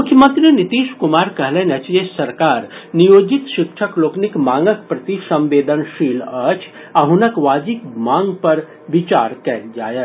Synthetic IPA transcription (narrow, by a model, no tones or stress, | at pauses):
mukʰjəmə̃nt̪ɾinit̪iːʃkumaːɾkəɦlɛnət͡ʃd͡ʒesɐɾkaːɾnijoːd͡ʒit̪ʃɪkʃʰəkloːknikmãːŋɡəkpɾɐt̪isɐ̃mʋeːd̪ənʃiːlət͡ʃʰ | aɦunəkʋaːd͡ʒikmãːŋɡpɐɾ | ʋit͡ʃaːɾkɛɦd͡ʒaːje